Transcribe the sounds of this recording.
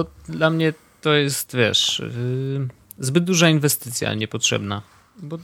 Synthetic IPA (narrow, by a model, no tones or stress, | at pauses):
ɔd̪lamɲɛ | t̪ɔjɛst̪vʲjɛ̰ʂ | zbɘd̪̚d̪uʐainvɛst̪ɘt̪sʲja̰ɲɛpɔtʂɛ̰bna | bɔ